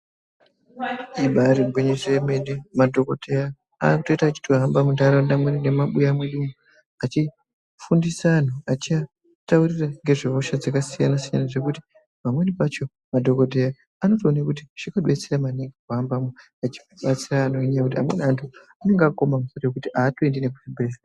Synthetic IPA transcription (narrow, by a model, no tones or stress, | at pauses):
iɓaɾiɡweɲeʐemenemadʱo̞kodeja | a̰kuto̞itakːut͡ʃi̥tuɦambamundaɾandamweninemaɓujamweɗumu | at͡ʃi | fundisaːn̤uat͡ʃia | tauriraŋɡe̞ʐeoʃad͡zakasijanasijanaʐe̞kuti̥ | pamwe̞nipat͡ʃo̞ | madʱo̞ko̞t̬eja | ano̞tonekut̬iʐ̥ikaɗet͡seramaneŋɡekɦambamu | at͡ʃi̥ɓat͡siraːnoeɲaakut̬iɦa̰mwe̞nantʰu | ane̞ŋɡako̞mamusorojekutiʔaːtoendinekuribesa